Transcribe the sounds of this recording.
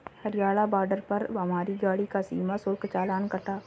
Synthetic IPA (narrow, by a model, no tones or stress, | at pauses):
hɐɾɪjaːlabaːɾɖəɾpɐɾʋɐmaːɾiɡaːɽikasḭːmasʊlkt͡ʃaːlaːnkɐt̪aː